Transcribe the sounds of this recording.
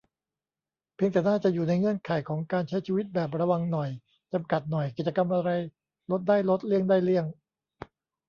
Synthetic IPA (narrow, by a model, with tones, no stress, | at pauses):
pʰi˧ŋt̪ɛː˨˩naː˥˩t͡ɕa˨˩ʔjuː˨˩na˧jŋɯ˧˥˩ənkʰaː˨˩˦jkʰɔː˩˦ŋkaː˧nt͡ɕʰa˦˥jt͡ɕʰiː˧wi˦˥t̪̚bɛː˨˩p̬̚ɾa˧wa˧ŋnɔ˨˩j | t͡ɕa˧mka˨˩t̪̚nɔ˨˩jki˨˩t͡ɕa˧ka˧mʔa˧ɾa˧j | lo˦˥t̪̚daː˥˩jlo˦˥t̪̚li˥˩əŋdaː˥˩jli˥˩əŋ